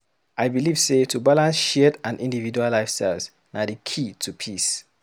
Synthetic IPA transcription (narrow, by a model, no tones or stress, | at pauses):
ʔaɪjbiliv̥setʰubalãnsʃɛtãnʔĩndivid͡ʒualːaɪfstaɪlz | nadikʰitʰupʰis